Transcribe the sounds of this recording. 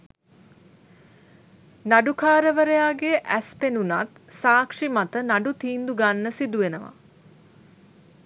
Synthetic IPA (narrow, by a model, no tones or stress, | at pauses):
naɖukʰaːɾəʋəɾəjaːɡeʔæspenunat̪saːkʂimat̪ənaɖut̪iːnd̪uɡanːəsid̪uʋenəʋa̰